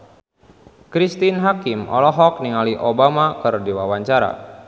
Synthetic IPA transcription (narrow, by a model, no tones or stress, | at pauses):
kɾist̪inɦakimʔɔ̰lɔɦɔk̚niŋaliʔobamakɨrdiwawaɲt͡ʃaɾa̰